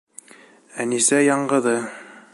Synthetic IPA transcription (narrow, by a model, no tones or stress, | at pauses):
ænisæjɑɴɢɤ̆ðɤ